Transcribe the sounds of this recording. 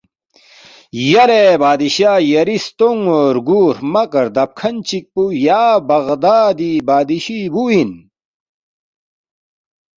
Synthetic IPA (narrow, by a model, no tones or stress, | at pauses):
jɐɾebaːd̪iɕaːjɐɾist̪oŋoːɾɡuːɾmɐkɐɾd̪ɐp̚kʰɐnt͡ɕik̚pujaːbɐɣd̪aːd̪ibaːd̪iɕibuin